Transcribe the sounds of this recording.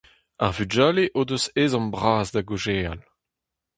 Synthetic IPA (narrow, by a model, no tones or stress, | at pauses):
aʁvyd͡ʒaːleʔoːdøzeːzɑ̃mbʁaːzdaɡoʒeːal